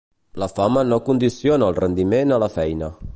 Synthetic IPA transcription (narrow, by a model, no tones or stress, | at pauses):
ləfamənokund̪isijonəːlˠrənd̪imenələfɛjnə